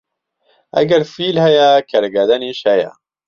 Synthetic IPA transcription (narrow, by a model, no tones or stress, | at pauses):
ɐ̰ɡɐɾfiːlhɛjɛkʰɐɾɡɐd̪ɐniːʃhɛjɛ̰